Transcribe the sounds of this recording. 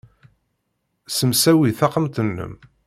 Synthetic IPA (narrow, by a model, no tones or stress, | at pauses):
səmsæwiθɑqəmt̪ənːə̰m